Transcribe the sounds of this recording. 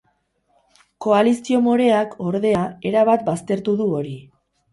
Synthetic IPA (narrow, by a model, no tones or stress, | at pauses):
ko̞alisio̞mo̞ɾe̞akʰo̞ɾðe̞ae̞ɾaβat̪̚bast̪e̞ɾt̪uðuo̞ɾi